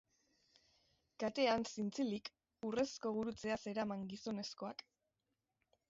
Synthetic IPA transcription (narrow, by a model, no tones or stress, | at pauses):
kat̪e̞ansint͡silik | ure̞sko̞ɣ̞uɾut͡se̞ase̞ɾamaŋɡiso̞ne̞sko̞ak